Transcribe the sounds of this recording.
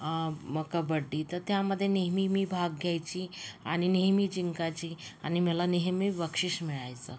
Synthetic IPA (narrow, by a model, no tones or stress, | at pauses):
məkabəɖːit̪əɾt̪jaməd̪ʱːjeneɦmimibʱaɡ̚ɡʱjajt͡ɕia̰ɽ̃ineɦmid͡ʑiŋkat͡ɕiːañiməlaneɦmiʋəkʂiʂmiɭajt͡sə